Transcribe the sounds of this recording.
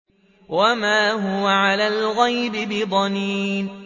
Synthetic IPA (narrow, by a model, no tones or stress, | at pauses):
wamaːɦʊwaʕalaːlɣajbɪbɪd̪ˤɑniːn